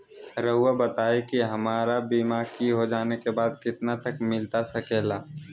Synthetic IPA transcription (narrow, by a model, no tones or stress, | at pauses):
ɾəɦʊabɐt̪aːekiɦɐmaːɾabiːmaːkiɦod͡ʒaːnekebaːd̪kɪt̪nat̪ɐkmɪlt̪asɐkeːlaː